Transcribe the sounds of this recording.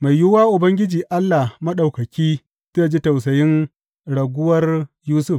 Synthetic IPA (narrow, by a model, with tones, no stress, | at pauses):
ma˨jjʊ˦waː˦ʔʊ˨bɐ˦ŋɡʲɪ˦d͡ʒiː˨ʔa˦lːa˨mɐ˦ɗa˨wkɐ˨kʲiː˦ | sɐ˦a˨d͡ʒi˦ta˨wsɐ˨jɪ˦n | ɽɐ˨ɡʷʊ˦wɐ˦rjuː˦sʊ˦f